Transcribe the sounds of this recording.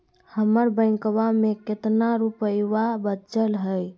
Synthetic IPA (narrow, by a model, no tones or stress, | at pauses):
həməɾbəɪ̃ŋkbameket̪naɾupəjwabət͡ʃəlɦəj